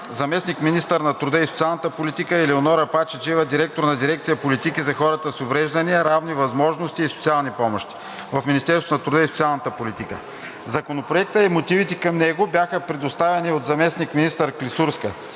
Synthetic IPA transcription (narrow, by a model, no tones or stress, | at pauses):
zɐmɛsnikminist̪əɾnɐt̪ɾud̪əisot̪sialˠnət̪əpolit̪ikəilionɔɾɐpat͡ʃɛt͡ʃivəd̪iɾɛk̚t̪oɾnɐd̪iɾɛkt̪sijəpolit̪ikizɐxɔɾət̪əsovɾɛʒd̪ɐniəɾavnivɐzmɔʒnost̪iːso̥t̪sialˠnipɔmoʃt̪i̥ | vɐfminist̪ɛɾsnɐt̪ɾʊd̪əisot̪sialˠnət̪əpolit̪ikə̰ | zɐkonopɾoɛk̚t̪əimot̪ivit̪ɛkɐmnɛɡobʲjaxəpɾɛd̪ost̪avɛniot̪zɐmɛsnikminist̪əɾklisuɾskə